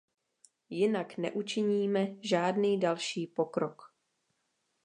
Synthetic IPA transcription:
jɪnaknɛ̰ʔut͡ʃɪɲiːmɛʒaːdniːdalʃiːpokɾok

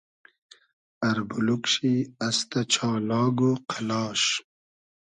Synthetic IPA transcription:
ɐɾbulukʃiɐst̪at͡ʃʰɑːlɑːɡuqʰalɑːʃ

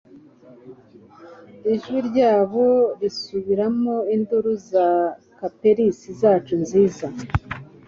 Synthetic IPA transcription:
iʒwiɾɟaːβo̞ɾisuβiɾamo̞induɾuza | kape̞ɾisizaːt͡ʃunziːza

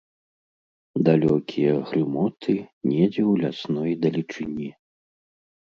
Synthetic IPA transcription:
d̪alʲɔkʲʰijɐɣɾɨmɔt̪ʰɨnʲɛd͡zʲɛwlʲasnɔjd̪ɐlʲit͡ʂɨnʲi

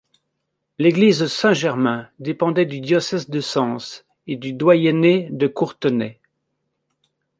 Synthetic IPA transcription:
leɡlizsɛ̃ʒɛʁmɛ̃d̪epɑ̃d̪ɛd̪yd̪jɔsɛzd̪əsɑ̃s | ed̪yd̪wajɛned̪əkuʁt̪ənɛ

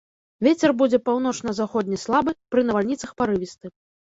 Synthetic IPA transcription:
vʲet͡sʲɛrbud͡zʲɛpawn̪ɔt͡ʂnɐzaxɔd̪ʲnʲɐslˠabɨpɾɨnɐvalʲnʲit̪sɐxpaɾɨvʲist̪ɨ

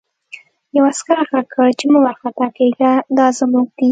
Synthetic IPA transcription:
jawaskaɾxakʰəɽt͡ʃemuwaɾxat̪ɑkeɡad̪ɑzəmuɡ̚d̪i

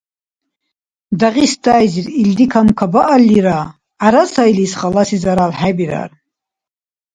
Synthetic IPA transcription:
d̪aʁisd̪ajziɾild̪ikʰamkʰabaʔalːiɾaː | ɾasajlisχalasizaɾalħabiɾa̰ɾ

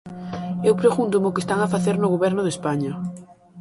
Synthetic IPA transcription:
ewpɾeɣunt̪ʊmʊkest̪aŋafaθeɾnʊɣoβɛɾnʊðespaɲɐ

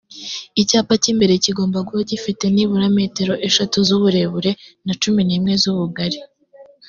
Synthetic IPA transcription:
icaːpacimbe̞ɾe̞ciɡo̞ːmbaɡuβacifite̞niβuɾame̞ːte̞ɾo̞ʔe̞ʃatuzuβuɾe̞βuɾe̞nat͡ʃuminiːmŋe̞zuβuɡaɾi

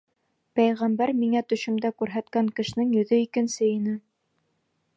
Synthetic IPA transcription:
pæjʁæmbæɾmiŋæt̪ɵ̆ʃɘ̆md̪ækʉɾɦæt̪kæŋkɘ̆ʃ̆nɘŋjɵ̆ðɵikɘ̆nsɘinɘ

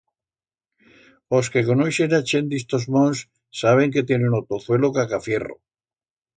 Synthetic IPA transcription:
oskekonojʃenat͡ʃend̪ist̪ozmonsː | aβ̞e̞ŋket̪je̞nunot̪oθwe̞lokakafje̞ro̰

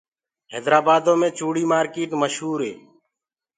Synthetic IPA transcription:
ɦeːd̪ɾaːbaːd̪õːmẽːt͡ʃuːɽiːmaːɾkeːʈməʃɦuːɾɦeː

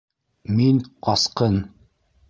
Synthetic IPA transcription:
minqɑsqɤn

